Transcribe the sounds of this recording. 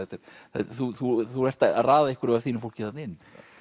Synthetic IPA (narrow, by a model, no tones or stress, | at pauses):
ɛt̪ɪɾ̥θɛ̰θuθuθuɾɛr̥t̪araːðaɛhkvʏɾvaɾθiːnʏfowl̥cɪθannɪnː